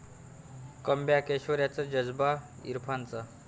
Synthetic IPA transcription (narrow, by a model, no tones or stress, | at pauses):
kəmbjakeɕʋəɾjat͡səd͡ʑəd͡zba | ḭɾpʰant͡sə